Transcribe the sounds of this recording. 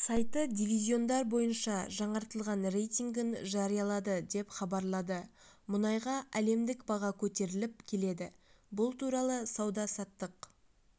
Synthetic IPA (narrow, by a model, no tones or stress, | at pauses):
sɑjt̪əd̪ʲivʲizʲjo̞nd̪ɑɾbo̞jənʃɑʒɑɴɑɾt̪əlˠʁɑnre̞jt̪ʲiŋɡʲɪnʒɑɾijɑlˠɑd̪əd̪e̞pχɑbɑɾlˠɑd̪əmʊnɑjʁɑæle̞md̪ɪkbɑʁɑkʲʰɵt̪e̞ɾɪlɪp̚kʲʰe̞le̞d̪ɪbʊlˠt̪ʰuɾɑlˠəsɑwd̪ɑsɑt̪ːəq